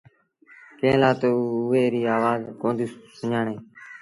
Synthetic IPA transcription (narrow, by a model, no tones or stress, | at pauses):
kẽːlaːt̪oːʊʋeːɾiːaːʋaːzkõːnd̪iːsʊɲaːɳeː